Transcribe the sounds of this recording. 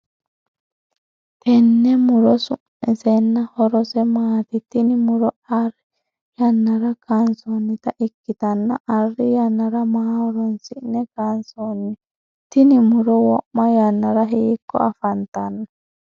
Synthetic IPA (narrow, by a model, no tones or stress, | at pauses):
t̪ɛnːɛmuɾɔsu | ɛsɛnːahɔɾɔsɛmaːt̪it̪inimuɾɔ | aɾi | janːaɾakansɔnːit̪aʔikːit̪anːaʔarːijanːaɾamaɾɔnsiʔnɛkansɔnːi | t̪inimuɾɔwɔʔmajanːaɾaɦeikːɔ̰afant̪anːa